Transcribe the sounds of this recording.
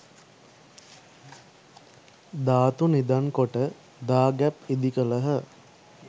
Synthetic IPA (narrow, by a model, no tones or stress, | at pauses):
d̪aːt̪unid̪aŋkoʈə | d̪aːɡæpid̪ikələɦə